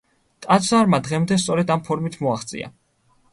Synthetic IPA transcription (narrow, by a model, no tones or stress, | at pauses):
t̪ʼat̪saɾmad̪ʁɛmd̪ɛst̪sʼɔɾɛd̪ampʰɔɾmit̪ʰmɔaχt̪sʼḭa̰